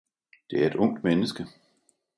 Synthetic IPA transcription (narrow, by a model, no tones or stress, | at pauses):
d̥e̝æɐe̝d̥ɔ̽ŋ̰d̥menəsɡ̥ə